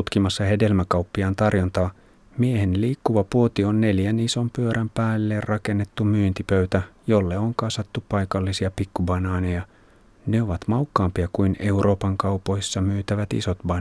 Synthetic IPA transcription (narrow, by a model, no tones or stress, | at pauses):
ut̪kimɑsːɑhe̞de̞lmækɑupːiɑːnt̪ɑrjo̞nt̪ɑː | miehe̞nliːkːuʋɑpuot̪io̞nːe̞ljæniso̞mpyøɾʔæmpæːlːerrɑke̞nːe̞t̪ːumyːnt̪ipøɥt̪æjo̞lːeoŋkɑsɑt̪ːupɑjkɑlːisiɑpikːubɑnɑːnejɑ | ne̞o̞ʋɑt̪mɑwkːɑːmpiɑkujne̞urʔo̞ːpɑŋkɑwpo̞jsːɑmyːt̪æʋæt̪ḭso̞t̪bɑn